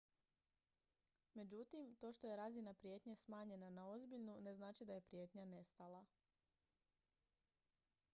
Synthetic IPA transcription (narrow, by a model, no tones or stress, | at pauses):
me̞d͡ʑut̪imt̪o̞ʃt̪o̞je̞ɾazinapɾije̞t̪ɲesmaːɲe̞nanao̞zbiʎnune̞znaːt͡ʃid̪aje̞pɾje̞t̪ɲane̞st̪alˠa